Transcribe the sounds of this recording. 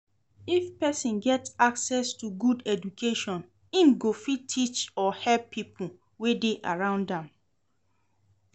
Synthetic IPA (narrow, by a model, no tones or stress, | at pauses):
ifpɛsĩnɡɛtaksɛstuɡudɛd͡ʒukʰeʃɔ̃n | ĩnɡofitʰːit͡ʃɔhɛlpːipʰu | wedeʔaɹãʊ̃ndãm